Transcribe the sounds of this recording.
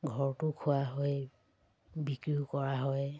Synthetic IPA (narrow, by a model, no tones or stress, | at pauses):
ɡʱɔɹtʊkʰʊaɦɔj | bikɹiukɔɹaɦɔj